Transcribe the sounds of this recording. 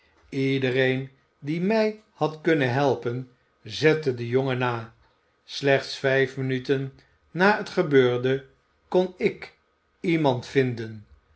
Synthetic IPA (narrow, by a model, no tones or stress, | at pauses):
idərejn | dimɛj | hɑtkɵnənɦɛlˠpən | zɛtədəjoŋənaː | slɛχtsfɛjfmənytənː | aːətχəbøːɹdə | konɪk | imɑntfɪndən